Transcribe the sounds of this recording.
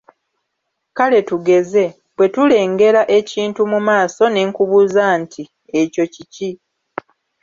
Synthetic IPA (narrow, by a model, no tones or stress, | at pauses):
kale̞tuɡe̞ze̞ | βwe̞tule̞ːŋɡe̞ɾaʔe̞ciːntumumaːso̞ne̞ːŋkuβuzantʰi | eco̞cici